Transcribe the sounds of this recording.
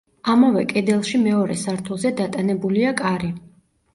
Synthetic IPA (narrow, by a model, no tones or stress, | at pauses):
amavɛkʼɛd̪ɛlˠʃimɛɔɾɛsaɾt̪ʰulˠzɛd̪at̪ʼanɛbuliakʼaɾi